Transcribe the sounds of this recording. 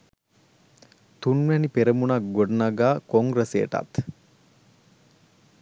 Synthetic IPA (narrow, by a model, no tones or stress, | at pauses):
t̪unʋɛnipeɾəmunak̚ɡoɖɐnaɡaːkoŋɡɾəseːʈa̰t̪